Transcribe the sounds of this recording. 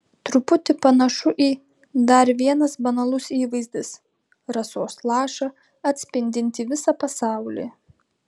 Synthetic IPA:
t̪ɾʊpʊt̪ʲɪpɐnɐʃʊʔiː | d̪ɐɾʋʲiɛnɐsbɐnɐlˠʊsiːʋɐɪzʲd̪ʲɪs | ɾɐsoːslˠɑːʃɐ | ɐt̪ʲsʲpʲɪnʲd̪ʲɪnʲt̪ʲiʋʲɪsɑpɐsɑˑʊlʲḭː

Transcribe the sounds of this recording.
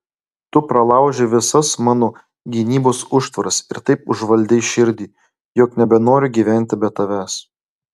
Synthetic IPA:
t̪ʊpɾɐlˠɑˑʊʒʲeʋʲɪsɐsmɑːnoː | ɡʲinʲiːboːsʊʃt̪ʋɐɾɐsɪɾt̪ɐɪpʊʒʋɐlʲd̪ʲɛɪʃʲɪɾʲd̪ʲiː | joːknʲɛbʲɛnoːɾʲʊɡʲiːʋʲæˑnʲt̪ʲɪbʲɛt̪ɐʋʲæs

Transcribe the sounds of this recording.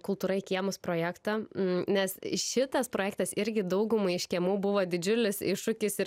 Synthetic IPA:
kʊlˠt̪uːɾɐɪkʲiɛmʊspɾoːjæːkt̪ɑnʲɛsʃʲɪt̪ɐspɾoːjæːk̚t̪ɐsɪɾʲɡʲɪd̪ɐʊɡʊmɐɪɪʃʲkʲiɛmuːbʊʋoːd̪ʲɪd͡ʒʲʊlʲɪsɪʃʊkʲɪsɪ

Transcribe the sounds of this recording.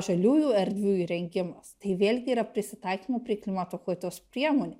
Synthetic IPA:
ʒɐlʲuːjuːɛɾʲd̪ʲʋʲuːiɾʲɛŋʲɡʲɪmɐst̪ɐɪʋʲeːlʲɡʲɪiːɾɐpʲɾʲɪsʲɪt̪ɐɪkʲiːmopʲɾʲiːklʲɪmɑt̪oːxoːt̪ʲospʲɾʲiɛmoːnʲɛ

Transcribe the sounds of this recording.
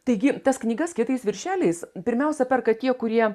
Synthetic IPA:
t̪ɐɪɡʲɪt̪ɐsknʲiːɡɐskʲɪt̪ɐɪsʋʲɪɾʲʃʲæːlʲɛɪspʲɪɾʲmʲɛʊsʲɛpʲɛrkɐt̪ʲiɛkʊɾʲiɛ

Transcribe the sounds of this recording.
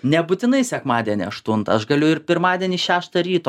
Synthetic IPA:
nʲɛbʊt̪ʲɪnɐɪsʲɛkmɑːd̪ʲɛnʲḭɐʃt̪ʊnt̪ɐɐʃɡɐlʲʊɪɾpʲɪɾmɑːd̪ʲiɛnʲiʃʲæːʃt̪ɐɾʲiːt̪oː

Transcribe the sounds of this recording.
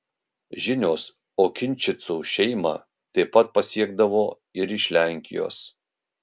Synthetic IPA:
ʒʲɪnʲoːs | oːkʲɪnʲˑt͡ʃʲɪt̪suːʃʲɛɪmɐ̰ | t̪ʲɐɛpːɐt̪̚pɐsʲiɛɡd̪ɐʋoː | ɪɾɪʃʲlʲæˑŋʲkʲɪ̰jo̰ːs

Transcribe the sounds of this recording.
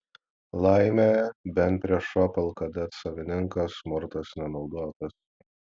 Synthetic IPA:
lˠɑɪmʲebʲɛnpʲɾʲiɛʃɔpʲɛlˠkɐd̪ʲɛt̪sɐʋʲɪnʲɪŋkɐsmʊɾt̪ɐsnʲɛnɒʊd̪oːt̪ɐs

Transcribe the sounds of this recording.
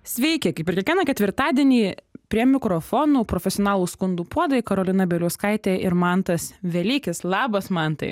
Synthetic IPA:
sʲʋʲɛɪkʲɪkɐɪpʲɪɾʲkʲɛkʋʲiɛnɐkʲɛt̪ʋʲɪɾt̪ɑːd̪ʲiɛnʲiːpʲɾʲiɛmʲɪkɾoːfoːnuːpɾoːfʲɛsʲɪoɔnɑːlˠuːskʊnd̪uːpuɔd̪ɐkɐɾoːlʲɪnɐbʲɛlʲuːskɐɪt̪ʲeːɪɾmɐnt̪ɐsʋʲɛlʲiːkʲɪslˠɑːbɐsmɐnt̪ɐ̰ɪ

